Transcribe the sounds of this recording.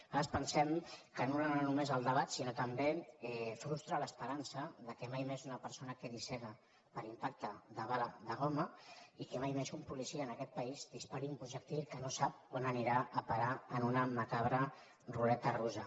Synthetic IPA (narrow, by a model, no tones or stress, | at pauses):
aɾəspənsɛmkənonaanumezəlˠd̪əβ̞at̪sinot̪əmbeɛfɾust̪ɾələspəɾansəðəkɛmajmezunəpəɾsonəkəðisɛnə | pəɾimpak̚t̪əðəβalaðəɣoməikəmajmezumpulisiəːnəkɛt̪̚pəizd̪ispaɾiumpuʒək̚t̪ilkənosap̚anəniɾaʔəpaɾaənunəməkaβɾə | rulɛt̪əruzə